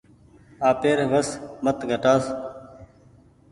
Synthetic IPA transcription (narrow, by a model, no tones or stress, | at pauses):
aːpeːɾʋəsmət̪ɡʱəʈaːs